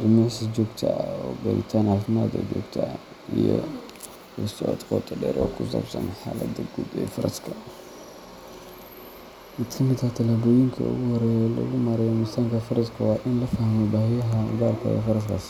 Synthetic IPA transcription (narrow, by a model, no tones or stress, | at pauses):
dɪmɪʕsɐd͡ʒɔːɡt̪ʰɐ̰ɔɡɐɾɪ̰t̪ʰaːnhafɪma̰ːd̪ɐ̰d͡ʒɔːɡt̪ʰɐ | ijɔ̰ | lɐsɔɔ̰t̪qɔt̪ʰʼɐdɛ̰ːɾʔɔkʰʊsɐ̰bsɐ̰nħaːlɐd̪ɐɡudɛ̰fɐɾɐ̰skʰɐ | mɪt̪kʰɐmɪd̪ɐt̪ʰɐlaːbɔjɪŋkʰɐ̰ʊ̰ɣʊhɔɾɛlɐ̰ɣʊmɐɾɛjmʊst̪ʰaːŋkʰɐfɐɾɐskʰɐwɑːʔɪnlɐfɐhmɛbaːhɪjɐɦɐɡaːlkʰɐ̰ɛ̰fɐɾɐskʰa̰s